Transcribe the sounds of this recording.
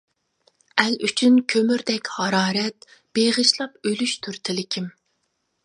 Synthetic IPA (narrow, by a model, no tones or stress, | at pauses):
ɛlyt͡ʃʰynkʲʰømyɾd̪ɛkʲhɑɾɑːɾɛt̪̚b̥eʁəʃlˠɑpølyʃt̪ʰyɾt̪ʰɪlɪkʲʰim